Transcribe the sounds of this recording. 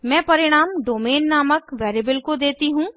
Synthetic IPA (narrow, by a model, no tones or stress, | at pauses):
mɛ̃ːpɐɾɪɽ̃aːmɖoːmeːnːaːməkʋeːɾibəlkod̪eːt̪iɦũː